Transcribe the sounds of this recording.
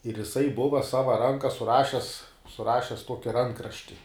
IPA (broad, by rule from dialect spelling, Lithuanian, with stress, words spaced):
ɪr jɪˈsɐɪ ˈbʊʋɐ ˈsɑːʋɐ ˈrɐŋkɐ sʊˈrɑːʃʲɛs sʊˈrɑːʃʲɛs ˈtuɔkʲɪ ˈrɐŋkrɐʃʲtʲɪ